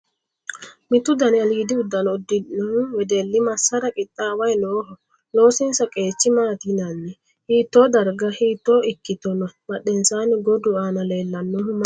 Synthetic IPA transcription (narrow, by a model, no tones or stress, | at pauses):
mɪt̪ʊd̪ɐnɪɐliːd̪ɪʊd̪ːɐnɔd̪ɪnɔhʊwɛd̪elːɪmɐsːɐɾɐkʼɪt̪ʼːaːwɐjnoːhɔ | lo̞ːsɪnsɐkʼe̞ːt͡ʃːɪmaːt̪inɐnːɛ | hiːt̪ːoːd̪ɐɾɡɐhiːt̪ːo̞ːɪkːɪt̪ɔnɔmɐɗːɛnsaːnɪɡɔd̪ʊaːnɐle̞ːlːɐnːɔhʊm